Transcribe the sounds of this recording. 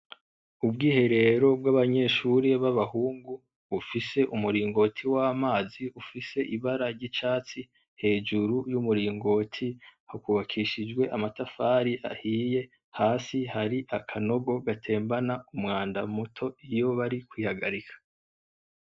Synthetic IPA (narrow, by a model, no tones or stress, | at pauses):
ub̚ɡiːhe̞ɾe̞ɾo̞bwaβaɲe̞ːʃuɾiβaβahuːŋɡu | βufise̞ʔumuɾiːŋɡo̞ːtʰiwaːmaːziufise̞ʔiβaɾaɾɟit͡ʃaːt͡si | he̞ːd͡ʒuɾujumuɾiːŋɡo̞ːtʰihakuβakʰiʃid͡ʒɡwe̞ʔamatafaːɾiʔa̰hiːje̞ | haːsihaɾiʔakʰano̞ɡo̞ɡatʰe̞ːmbanaumŋaːndamutʰo̞ijo̞βaɾikwiːhaɡaɾikʰḁ